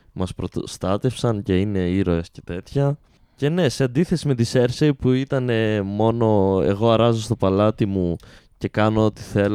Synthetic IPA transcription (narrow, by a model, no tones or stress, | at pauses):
mɐspɾot̪st̪ɐt̪e̞fsɐnce̞ine̞iɾo̞e̞sce̞t̪e̞t̪çɐ | ce̞ne̞se̞ɐnd̪iθe̞sime̞t̪ise̞ɾseipuit̪ɐne̞mo̞no̞e̞̰ɣo̞ɐɾɐzo̞st̪o̞pɐlɐt̪imuce̞kɐnoo̞t̪i̥θe̞l